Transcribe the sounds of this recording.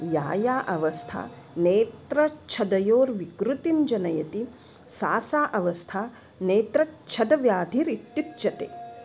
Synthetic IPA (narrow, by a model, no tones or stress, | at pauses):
jaːjaːʔɐʋɐst̪ʰa̰ː | neːt̪ɾɐt͡ʃʰɐd̪ɐjoːɾʋikɾut̪imd͡ʒɐnɐjɐt̪i | saːsaːʔɐʋɐst̪ʰaː | neːt̪ɾɐt͡ʃʰɐd̪ɐʋjaːd̪ʱiɾit̪jut̪ːt͡ʃɐt̪ḛː